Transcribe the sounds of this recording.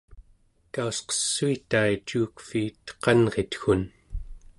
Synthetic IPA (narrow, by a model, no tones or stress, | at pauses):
k̪ausqʌ̥sːuit̪ait͡ʃuːkfiːt̪qɑnʁe̞t̪xun